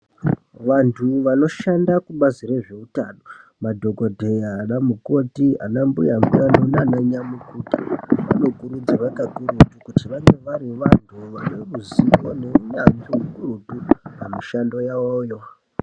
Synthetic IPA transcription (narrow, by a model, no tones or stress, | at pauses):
ʋantʰuʋano̞ʃandakuɓazire̞ʐe̞uta̰no̞madʱo̞ɡo̞dʱe̞jaːnamuko̞tia̰nambujambujanonanaɲamukuːtaʋa̰no̞kuɾud͡zaʋakakuɾutukutiʋaŋɡe̞ʋaɾiʋantʰuʋanemuziʋo̞ne̞unambiɦukuɾutupamiʃando̞jaojo